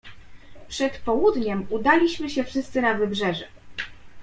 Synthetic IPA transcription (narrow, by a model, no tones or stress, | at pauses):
pʂɛt̪pɔwud̪ɲɛmud̪alʲiɕmɘɕɛfʂɘst̪sɘnavɘbʐɛʐɛ